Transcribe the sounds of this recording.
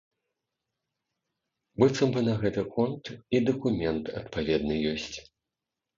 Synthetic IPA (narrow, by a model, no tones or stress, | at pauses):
bɨt̪sɐmbɨnɐɣɛt̪ɨkɔnt̪id̪ɐkumʲɛnt̪ɐ̰t̪pavʲɛd̪nɨjɔsʲt͡sʲ